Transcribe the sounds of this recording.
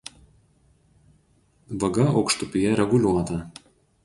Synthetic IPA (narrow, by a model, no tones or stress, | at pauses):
ʋɐɡɐɒʊkʃt̪ʊpʲijɛɾʲɛɡʊlʲuɔt̪ɐ